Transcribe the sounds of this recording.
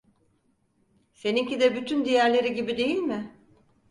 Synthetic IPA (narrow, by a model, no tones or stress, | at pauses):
se̞niŋcid̪ɛbyt̪ʰynd̪ijæɾlʲe̞ɾiɟibid̪e̞jilʲmɪ